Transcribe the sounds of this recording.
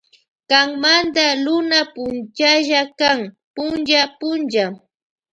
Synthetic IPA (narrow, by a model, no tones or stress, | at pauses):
kaŋmand̪alʊnapʊnt͡ʃaʒakaŋ | pʊnt͡ʃapʊnt͡ʃa